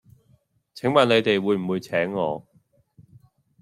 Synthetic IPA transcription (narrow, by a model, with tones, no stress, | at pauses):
t͡sʰɪ˨˥ŋmaː˨˩ne˨˧jt̪e˨jwuː˨˧jm̩˨˩wuː˨˧jt͡sʰɛː˨˥ŋːɔː˨˧